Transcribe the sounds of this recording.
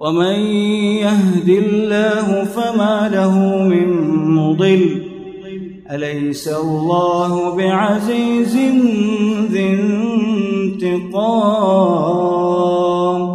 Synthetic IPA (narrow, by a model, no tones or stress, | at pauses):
wamanjahd̪ɪllːaːɦʊfamaːlaɦʊmɪnmʊd̪ˤɨlː | ʔalajsalːɑːɦʊbɪʕaziːzɪnðɪnnt̪ɪqɑː | m